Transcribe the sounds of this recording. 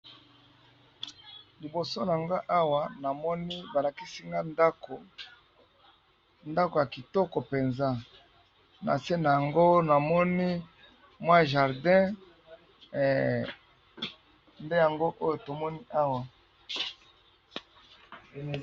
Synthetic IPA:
li˨bo˨so˦n˨ŋɡa˦ʔa˦wa˨na˨mɔ˦ni˦ba˨la˨ki˦si˦ŋɡa˦nda˦ko˨ | nda˦ko˨ja˨ki˨tɔ˦kɔ˨pe˨nza˦ | na̰˨se˦na˨ja˨ŋɡo˦na˨mɔ˦ni˦ | mwa˦ʒa˨ʁdɛ̃˦˨ | nde˦ja˨ŋɡo˦ʔo˦jo˨to˨mɔ˦ni˦ʔa˦wa˨

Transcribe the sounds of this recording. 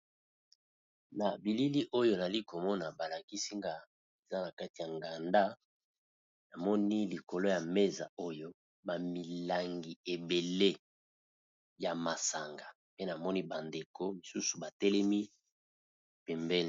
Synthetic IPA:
na˨bi˨li˦li˦ʔo˦jo˦˨za˨li˦ko˨mɔ˦na˨ba˨la˨ki˦si˦ŋɡa˨ | e˨za˦na˨ka˦ti˨ja˨ŋɡa˨nda˦ | na˨mɔ˦ni˦li˨ko˨lo˦ja˨me˦za̰˨o˦jo˦ | ba˨mi˨la˨ŋɡi˨e˨be˨le˦ | ja˨ma˨sa˨ŋɡa˨ | pe˦na˨mɔ˦ni˦ba˨nde˨kʰo˦mi˨su˦su˨ba˨tɛ˦lɛ˦mi˦ | pɛ˨mbɛ˦l

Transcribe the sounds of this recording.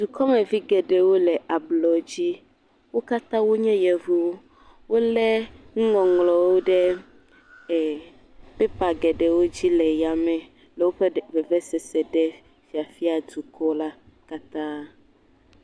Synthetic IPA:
d̪u˨kɔ˦mɛ˨vi˦ɡɛ˨ɖɛ˨wo˦lɛ˨ʔa˨blɔ˨d͡ʑi˦ | wo˦ka˦t̪ã˦wo˦ɲɛ̃˦jɛ˨vu˨˦wo˦ | wo˦lɛ˦ŋũ˦ŋɔ̃˨ŋlɔ˨wo˦ɖɛ˦ | ɛ˨ | pɛ˦pa˨ɡɛ˨ɖɛ˨wo˦d͡ʑi˦lɛ˨ja˨mɛ̃˨ | lɛ˨wo˦ɸe˦vɛ˨vɛ˦sɛ˨sɛ˨ɖɛ˦ | fi˨a˨fi˦a˨du˨kɔ˦la˦ | ka˦t̪ã˦

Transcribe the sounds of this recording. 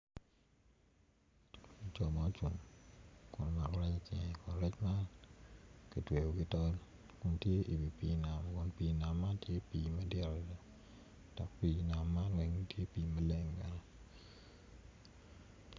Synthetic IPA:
t͡ʃɔ˨ma˨˦t͡ʃṵ˨mkʊ˨n˦ma˨kɔ˦ɾa˦t͡ʃa˨t͡ʃɪ˨ŋɛ˨kʊ˨nɾɛ˦t͡ʃma˦ | ki˨twe˨ɡo˨kɪ˦tɔ˦l | kʊ˦ntje˦i˨bi˨pi˨na˨m˨kʊ˨npi˨na˨mːa˦ntje˦piː˨˦ma˦dɛ˦ɾɔ˨da˨ | d̥ɔ˨kpiː˨˦na˨mːa˦nwɛ˨ŋni˦tje˦piː˨˦ma˦le˦ŋba˨ɲɔ˦

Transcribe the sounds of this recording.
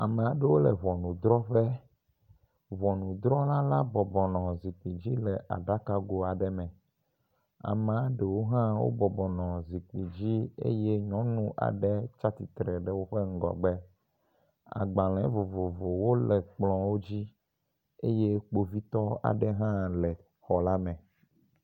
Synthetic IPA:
a˨mɛ̃˨a˨ɖe˦wo˦lɛ˨βɔ˨nũ˨d̪ɾɔ˦ɸɛ˦ | vɔ˨nũ˨d̪ɾɔ˦la˦la˦bɔ˨bɔ˨nɔ̃˨zi˨k͡pi˨d͡ʑi˦lɛ˨ʔa̰˨ɖa˦ka˦ɡo˦a˨ɖɛ˦mɛ̃˨ | a̰˨mɛ˨a˦ɖe˨wo˦ɦã˦wo̰˦bɔ˨bɔ˨nɔ̃˨zi˨k͡pi˨d͡ʑi˦ḛ˦je˦ɲɔ̃˦nũ˦ʔa̰˨ɖɛ˦t͡ʃa˦t̪i˨t̪ɾɛ˨ɖɛ˦wo˦ɸe˦ŋ̩˦ɡɔ̰˨ɡ͡bɛ˦ | a̰˨ɡ͡ba˨l̃ɛ̃˨˦vo˨vo˨vo˨wo˦lɛ˨k͡plɔ̃˨wo˦d͡ʑi˦ | e˦je˦k͡po˦vi˦t̪ɔ˦a̰˨ɖɛ˦ɦã˦lɛ˨ | xɔ˨la˦mɛ̃˨

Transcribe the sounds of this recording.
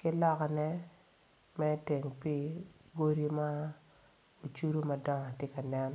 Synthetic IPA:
kɪ˦lɔ˦ka˨nɛ˦ | mɛ˦te˨ŋpi˦ɡo˦ɾi˦ma˦ | o˨t͡ʃu˦ɾu˦ma˨dɔ˦ŋa˨te˦ka˨nɛ˦n

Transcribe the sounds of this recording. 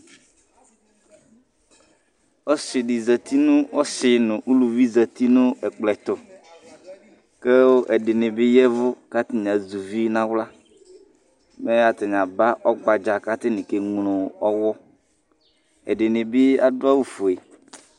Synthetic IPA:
ɔ˦sɪ˨ɖɪ˨za˨t̪i˦nʊ̃˦ɔ˦sɪ˨nʊ̃˨ʔu˦lu˨vi˦za˨t̪i˦nʊ̃˦ɛ˨k͡plɛ˨t̪ɔ˨ | kɛ˦ʔɛ˨dɪ˨nɪ̃˨bɪ˦jɛ˦vʊ˦ka˦t̪ɪ˦ɲ˨ã˨zu˨vi˦nã˦wla˦ | mɛ˦a˨t̪ɪ˨ɲ˨ã˨ba˦ʔɔ˦ɡ͡ba˨d͡ʒa˨ka˦t̪ɪ˦nɪ̃˨ke˨ŋ˨lʊ̃˨ɔ˦wɔ˦ | ɛ̰˨dɪ˨nɪ̃˨bɪ˦a˦dʊ˦a˦wu˦fu˨e˨

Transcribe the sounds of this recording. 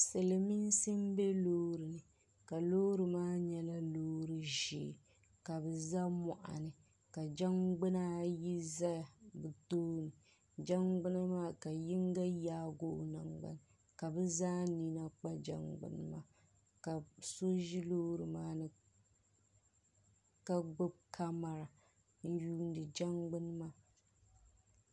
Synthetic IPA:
sɨ˨lɨ˨mi˦n˦sɨ˦m˦be˦loː˦ɾɨ˨nɨ˨ | ka˨loː˦ɾɨ˨maː˦ɲɛ˦la˦loː˦ɾɨ˦ʒḛ˨ | ka˨bɛ˨za˦mɔ˨ʔa̰˨nɨ˨ | ka˨d͡ʒa˦ŋɡ͡bɨ˦na˦ji˦za˦a˨bɨ˨toː˦nɨ˨ | d͡ʒa˦ŋɡ͡bɨ˦na˦maː˦ka˨ji˦ŋ˦ɡa˦jaː˦ɡo˦ʔna˨ŋɡ͡ba̰˨n˨ | ka˨bɛ˦zaː˦ni˦na˦k͡pa˦d͡ʒa̰˦ŋɡ͡bɨ̰˦n˦maː˦˨ | ka˨so˦ʒi˦lo˦ɾɨ˨maː˦nɨ˨ | ka˦ɡ͡bo˦b̚kʰa˦ma˨ɾa˨ | n̩˦juː˦n˦dɨ˨d͡ʒa˦ŋɡ͡bɨ˦n˦maː˦

